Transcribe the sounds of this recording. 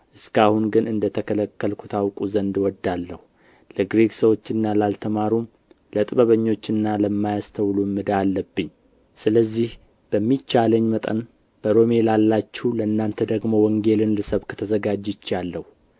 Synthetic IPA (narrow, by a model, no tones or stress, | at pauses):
ʔɨskahunɡɨnɨnd̪ət̪ʰəkʰələkːəlkʰut̪ʰawkʼuzənd̪wɔd̪alːəhu | ləɡɾeksəwo̞t͡ʃːɪnːalalt̪ʰəmaɾum | lət̪ʼɨβəβəɲːo̞t͡ʃːɨnːaləmːajast̪ʰəwlumːɨd̪alːəbːɨɲː | sɨləzːih | b̥əmːit͡ʃːaləɲːmət̪ʼən | b̥əɾo̞me̞lalːat͡ʃːɛwləɨnːant̪ʰəd̪əɡmo̞wɔŋɡe̞lɨnlɨsəβkʰə̥t̪ʰəzəɡad͡ʒɪt͡ʃːalːəhu